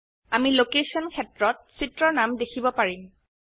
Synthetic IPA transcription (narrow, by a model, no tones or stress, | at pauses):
amilokesɔnkʰɛtɹɔt̚sitɹɔnamdekʰibɔpaɹim